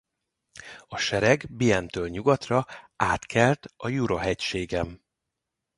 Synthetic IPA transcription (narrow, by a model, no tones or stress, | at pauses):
ɒʃɛɾɛɡbiɛnt̪øːlɲuɡɒt̪rɒaːt̪kʰɛlt̪ɒjuɾoɦɛcʃeːɡɛm